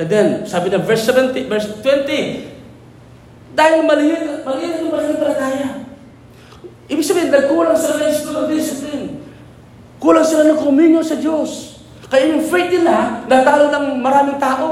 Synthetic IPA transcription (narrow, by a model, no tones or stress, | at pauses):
ɐd̪ɛnsaːbɪnɐvɛɹsɛvɛnt̪ɪvɛɹst̪wɛnt̪ɪ | d̪aːhɪlmɐlɪhɪmɐliɾɪnʊŋmɐlɪhɪkɐlɐnaːja | ʔiːbɪɡ̚sɐbiːhɪnnɐɡ̚kuːlaŋsɪlanɐɪsk̪oloŋd̪ɪsɪplɪn | kuːlaŋsɪlanɐŋkɐʊminosɐd͡ʒos | kɐjajʊŋfɛjt̪̚nɪlanaɡ̚t̪aːlonɐŋmɐɾaːmɪŋt̪aːʔo